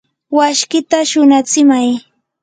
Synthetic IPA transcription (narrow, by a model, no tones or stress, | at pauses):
waʃkɪt̪aʃʊnat͡sɪmaj